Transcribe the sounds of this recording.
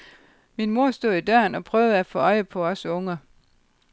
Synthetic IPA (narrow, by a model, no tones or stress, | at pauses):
minmo̝ɐ̰sd̥o̝ð̰ˠid̥ɶɐnɒ̽pʰʁœːʊð̩ˠæfɔ̽ɒ̽ɪəpʰɒ̽ɒ̽sɔ̽ŋɐ